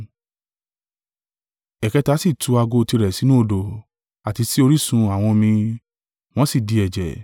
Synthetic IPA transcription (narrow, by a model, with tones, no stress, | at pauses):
ɛ˨kɛ˨˧ta˨˦si˦˨tʰu˨˧˦a˧ɡo˧ti˧ɾɛ˨si˨˦nũ˦o˧˨do˨ | a˨ti˧si˦o˧ɾi˦sũ˧a˨w̃ɔ̃˧mĩ˧ | w̃ɔ̃˦si˦˨di˧ɛ˨d͡ʒɛ̰˨